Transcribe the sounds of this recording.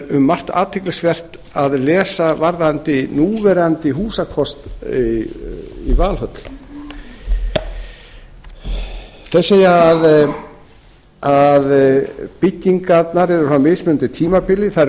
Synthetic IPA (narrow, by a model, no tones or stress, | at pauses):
ʏmːar̥t̪a̰ːt̪ʰɪklɪsvɛr̥t̪ | aðlɛːsavaɾðant̪ɪnuːvɛɾant̪ɪɦuːsakʰɔst̪i | ḭvaːlhœt̪l̥ | θɛseːjaːð | aðpɪcːiŋkat̪naɾɛɾʏsamɪðsmɪnnt̪ɪt̪ʰiːmapɪlɪθa